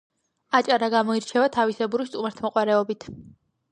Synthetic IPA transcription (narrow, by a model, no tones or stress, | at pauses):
at͡ʃʼaɾaɡamɔiɾt͡ʃʰɛvat̪ʰavisɛbuɾist̪ʼumaɾt̪ʰmɔqʼwaɾɛɔbit̪ʰ